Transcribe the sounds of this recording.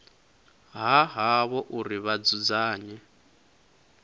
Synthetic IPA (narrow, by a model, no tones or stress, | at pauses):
ɦaɦaβɔʔuɾiβad͡zud͡zaːɲɛ